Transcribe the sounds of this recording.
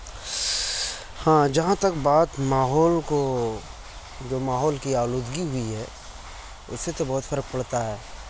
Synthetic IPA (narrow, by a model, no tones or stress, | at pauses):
hãːd͡ʒɐɦãt̪ɐkbaːt̪maːɦɔːlko | d͡ʒoːmaːɦɔːlkiaːloːd̪ɡiɦʊiɦɛː | ʊ̰sːet̪obɐɦʊt̪fɐɾək̚pɐɽt̪aɦɛː